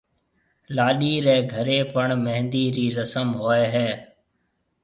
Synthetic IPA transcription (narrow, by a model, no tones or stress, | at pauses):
laːɗiːɾɛːɡʱəɾeːpəɳməɦnd̪iːɾiːɾəsəmɦoːeːɦɛː